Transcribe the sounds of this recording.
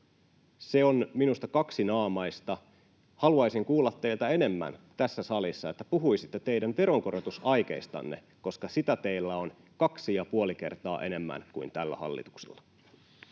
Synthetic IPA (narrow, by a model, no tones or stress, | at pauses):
se̞onminust̪ɑkɑksinɑːmɑjst̪ɑ | hɑluɑjsiŋkuːlːɑt̪ːeilt̪æe̞ne̞mːæ̰nt̪æsːæsɑlisːɑet̪ːæpuɦuisit̪ːet̪eidænʋe̞ɾoŋko̞ɾot̪usɑjk̟eist̪ɑ̰nːḛ | koskɑsit̪æt̪e̞ilːæo̞n | kɑksijɑpuolike̞̰rt̪ɑ̰ːʔe̞ne̞mːæ̰nkuint̪ælːæ̰hɑ̰lːḭt̪u̥ksḛlːɑ